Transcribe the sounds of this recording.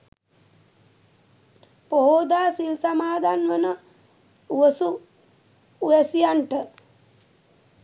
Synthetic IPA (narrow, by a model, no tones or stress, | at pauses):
poɦoːd̪aːsilsamaːd̪ʱanʋənə | uʋəsu | jɛsijaɳʈə